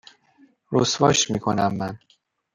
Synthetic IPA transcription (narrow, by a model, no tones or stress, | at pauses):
ɾosvɒːʃmiːkʰo̞̰næmːæn